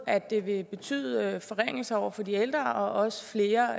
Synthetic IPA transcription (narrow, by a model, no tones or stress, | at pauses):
æ̥e̝ʋe̝b̥e̝t͡sʰy̰ð̰ˠfɒ̽ʁeŋ̰l̩səɒʊ̰ɐfɒ̽dield̥ʁɐʔɒ̽ʔɒ̽sə̥fle̝ːɐ